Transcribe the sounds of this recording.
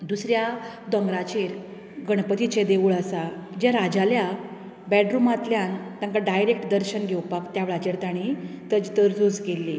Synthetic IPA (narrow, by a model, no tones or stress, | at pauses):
d̪usɾjad̪əŋɡɾat͡ɕeɾ | ɡəɽ̃pət̪it͡ɕed̪eʋuɭəsad͡ʑjaɾad͡ʑalja | bɛʈɾumat̪ljant̪ãŋkaɖajɾek̚ʈd̪əɾɕənɡʱewpakt̪jaʋɭat͡ɕeɽt̪aɽ̃it̪əd͡ʑit̪əɾd͡zud͡zɡelːi